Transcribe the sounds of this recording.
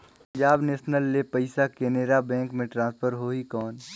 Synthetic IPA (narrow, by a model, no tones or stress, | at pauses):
pd͡ʒaːbneːʃnəlːepɐɪsakeneːɾabɛ̃ːŋkmẽʈɾãːspʰəɾɦoːikɔːn